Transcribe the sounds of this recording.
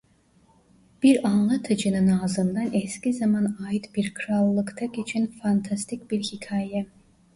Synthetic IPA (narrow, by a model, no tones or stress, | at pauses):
b̥iɾanlˠat̪ʰɯd͡ʒɯnɯnaːzɯnd̪anɛscizamanajit̪b̥iɾkʰɯɾalˠːɯkt̪ʰaɡet͡ʃʰinfant̪ʰast̪ʰicʲbiɾhicʰaːjɛ